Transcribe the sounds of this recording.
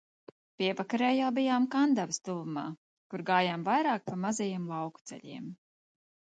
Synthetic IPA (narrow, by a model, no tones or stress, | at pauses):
piɛvakaɾɛːjawbijaːmkand̪avist̪ulˠuma̰ː | kuɾɡaːjaːmvajɾaːk̚pamazajiɛmlˠɑwku̥t̪sɛ̰ʎʲḭɛm